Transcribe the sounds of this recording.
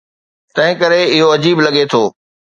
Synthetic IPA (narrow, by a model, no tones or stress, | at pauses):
t̪ɐ̃ɦɪ̃kɐɾeɪɦoɐd͡ʑiːblɐɠet̪ʰoː